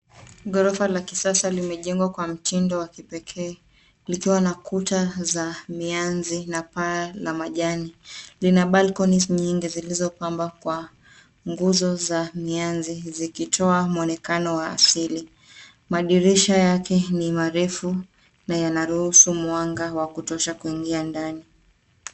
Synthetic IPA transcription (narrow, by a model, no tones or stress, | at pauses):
ɠɔɾɔfalakisasalimɛʄɛŋɡwakwam̩tindɔwakipɛkʰɛː | likiwanakutazamianzinapalamaʄanilinaɓalkɔnisɲiŋɡizilizɔpambakwa | ŋɡuzɔzamianzizikitʰɔamuɔnɛkanɔwa̰ːsili | maɗiɾiʃajakɛnimaɾɛfu | najanaɾuhusumuaŋɡawakutɔʃakuiŋɡiandani